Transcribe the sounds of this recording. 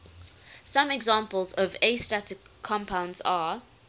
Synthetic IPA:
sãmɛɡzãːˑmpəlˠzɔvestatɪkʰːɔ̃mpʰãʊ̃ndza

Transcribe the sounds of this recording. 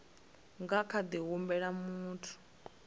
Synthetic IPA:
ŋɡakʰad̪iɦumbɛɺamuːtʰu̥

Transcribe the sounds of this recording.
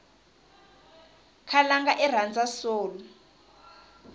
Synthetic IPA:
kʰalaŋɡaʔɛr̤and͡zʱasoːlɔ

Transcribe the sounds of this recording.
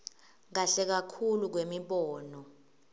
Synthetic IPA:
ŋ̬aɬɛk̬akʰuluk̬wemiɓɔːnɔ

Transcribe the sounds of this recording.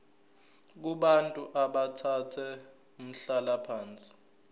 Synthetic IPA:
k̬uɓantʼuʔaɓatʰatʰɛ | um̩ɬalapʰaːnt͡sʼi̥

